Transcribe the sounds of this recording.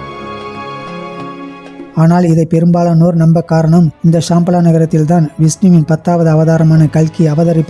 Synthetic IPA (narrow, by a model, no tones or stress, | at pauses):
aːnaːlɪðɐɪpɛɾɯmbaːlɐnoːɾnɐmbɐkːaːɾɐɳɐmɪnd̪ɐʂaːmpɐlaːnɐɣɐɾɐt̪ːɪlt̪aːnʋɪsniʋɪnpɐt̪ːaːʋɐðɯɐʋɐðaːɾɐmaːnɐkɐɭkiɐʋɐðɐɾɪpː